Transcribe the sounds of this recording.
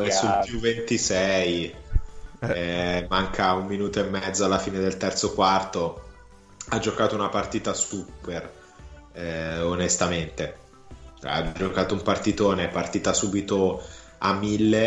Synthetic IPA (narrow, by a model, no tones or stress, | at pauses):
ɛsulpjuvːent̪isɛj | maŋkʰaumːinuːt̪oemːɛd̪zoalːafiːned̪elt̪ɛrt̪sokwart̪o | ad͡ʒokaːt̪ounapart̪iːt̪ast̪uper | onest̪ament̪ḛ | a̰d͡ʒokaːt̪oumpart̪it̪oːneɛpːart̪iːt̪asuːbit̪o | a̰mːilːe